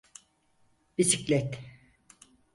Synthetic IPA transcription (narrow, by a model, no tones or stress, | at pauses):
bisiclʲɛt̪